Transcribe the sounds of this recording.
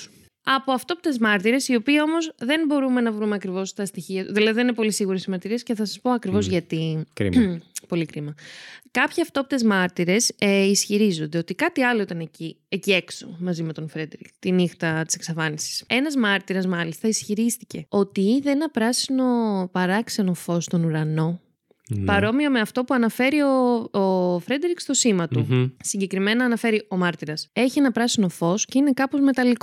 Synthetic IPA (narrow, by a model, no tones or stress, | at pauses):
ɐpo̞ɐft̪o̞pt̪e̞zmɐɾt̪iɾe̞sio̞piːo̞mo̞zðe̞nbo̞ɾume̞nɐvɾumeɐkɾivo̞st̪ɐst̪içiɐðilɐðiðeninepo̞lisiɣuɾesizmɐɾt̪iɾie̞sce̞θɐsɐspo̞ɐkɾivo̞zʝɐt̪ḭ | po̞likɾimɐkɐpçeɐft̪o̞pit̪e̞zmɐɾt̪iɾe̞sisçiɾizo̞nd̪e̞ot̪ikɐt̪iɐlo̞it̪ɐne̞ci | ecie̞kso̞̰mɐzime̞t̪o̞nfɾed̪ɾikt̪inixt̪ɐt̪i̥se̞ksɐfɐnisi̥se̞nɐzmɐɾt̪iɾɐzmɐlist̪ɐisçiɾist̪ice̞o̞t̪iðeenɐpɾɐsino̞pɐɾɐkse̞no̞fo̞st̪o̞nuɾɐno̞ | pɐɾo̞miɐme̞ɐft̪o̞puɐnɐfe̞ɾio̞ofɾe̞d̪ɾikst̪o̞simɐt̪usiɲɟe̞kɾime̞nɐːnɐfe̞ɾio̞mɐɾt̪iɾɐse̞çie̞nɐpɾɐsino̞fo̞sce̞ine̞kɐpo̞zme̞t̪ɐliko